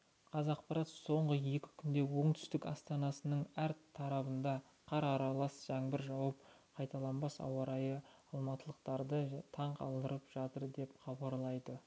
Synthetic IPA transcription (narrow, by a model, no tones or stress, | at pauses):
qʰɑzɑq̚pɑɾɑt̪so̞ɴʁəje̞kʲɪ̥kʲʰʏnd̪e̞wo̞ɴt̪ʰʏ̥st̪ɪkɑ̰st̪ɑnɑsənəɴæɾt̪ʰɑɾɑbənd̪ɑ | qʰɑɾɑɾɑlˠɑsʒ̥æŋbɪɾʒɑwɑp̚ | qʰɑjt̪ɑlˠɑnbɑsɑ̰wɑɾɑjəɑlˠmɑt̪əlˠəqt̪ɑɾd̪ət̪ʰɑɴqʰɑ̰lˠd̪əɾəpʒ̥ɑt̪əɾd̪e̞pχɑbɑɾlˠɑjd̪ə